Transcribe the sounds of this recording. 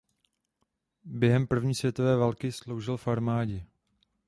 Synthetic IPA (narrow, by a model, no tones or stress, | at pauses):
bjɛɦɛmpr̩vɲiːsvjɛt̪ovɛːvalkɪslo̞wʒɪlfaɾmaːɟɛ